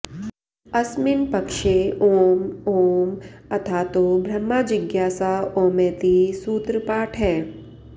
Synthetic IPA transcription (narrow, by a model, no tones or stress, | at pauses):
ɐsmɪnpɐkʃeoːmoːmɐt̪ʰaːt̪obʱɾɐmːaːd͡ʒɪɡjaːsaoːmeːt̪isuːt̪ɾəpaːʈʰɦɛː